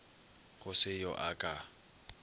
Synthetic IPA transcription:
ɣʊsɪjɔʔakʼa

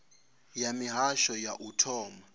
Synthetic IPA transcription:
jamiɦaʃɔjaʔutʰɔːma

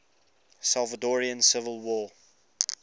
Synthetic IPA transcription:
salˠvədɔɹiə̃nsɪvəlˠwɔː

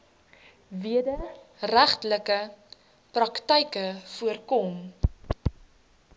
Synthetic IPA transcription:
viədəræχtləkə | prɐktəjkəfuərkɔm

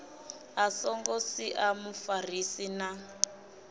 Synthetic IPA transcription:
asɔŋɡɔsiʔamufarisina

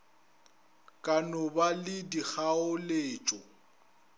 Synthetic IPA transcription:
kʼanɔbalɪdik͡xaʊleːt͡ʃʼɔ

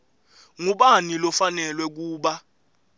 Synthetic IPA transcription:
ŋuɓanilɔfanɛlwɛk̬uːɓa

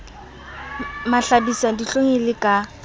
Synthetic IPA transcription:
maɬabisadiɬoŋelɪkʼa

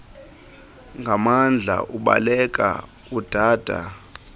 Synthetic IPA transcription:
ŋɡʱamand͡ɮʱa̰ʔuɓa̰lɛk̬ʼa̰ | ud̥ʱaːd̥ʱa̰

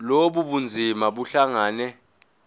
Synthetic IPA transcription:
loɓuɓund͡zʱimaɓuɬaŋaːnɛ

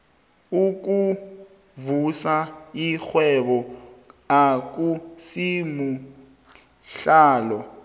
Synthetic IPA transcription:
uk̬ʼu | vusaixwɛɓɔ | ak̬ʼusimu | ɬaːlɔ

